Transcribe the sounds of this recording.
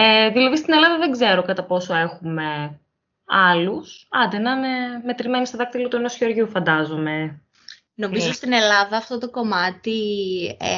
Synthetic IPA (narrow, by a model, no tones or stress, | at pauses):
eðilɐðist̪ine̞lɐðɐðe̞ɡze̞ɾo̞kɐt̪ɐpo̞so̞e̞xume̞ | ɐlusɐd̪enɐneme̞t̪ɾime̞nist̪oðɐk̚t̪ilot̪uenosço̞ɾʝufɐnd̪ɐzo̞me̞ | no̞mizost̪ine̞lɐðɐːft̪o̞t̪oko̞mɐt̪i